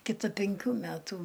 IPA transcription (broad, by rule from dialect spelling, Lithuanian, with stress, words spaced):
kʲɪˈtɐ pʲɛŋʲˈkʲuː ˈmʲætʊ